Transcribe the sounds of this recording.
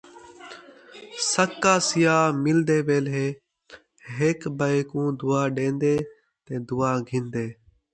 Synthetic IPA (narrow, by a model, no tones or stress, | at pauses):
səkːaːsɪjaːmɪld̪eːʋeːlɦeː | ɦeːkbəɪkũːd̪ʊːaːɗẽːnd̪eː | t̪ẽːd̪ʊːaːɡʱɪ̃ːnd̪eː